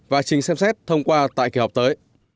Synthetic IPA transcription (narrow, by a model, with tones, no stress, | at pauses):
vaː˨˩t͡ɕï˨˩ŋ̟sɛ˧msɛ˦˥t̚t̪ʰə˧wŋ͡mkwaː˧t̪a̰ː˧˨ki˧˩wwk͡p̚t̪əː˨˦j